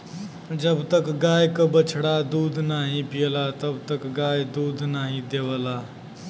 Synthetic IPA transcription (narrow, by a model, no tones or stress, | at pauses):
d͡ʒəbt̪əkɡajkəbət͡ɕʰɽad̪uːd̪ʱnaɦipijlat̪əbt̪əkɡajd̪uːd̪ʱnaɦid̪eʋla